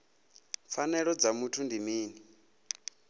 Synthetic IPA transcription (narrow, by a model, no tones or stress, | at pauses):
p̪fanɛɺɔd͡zamutʰundimiːni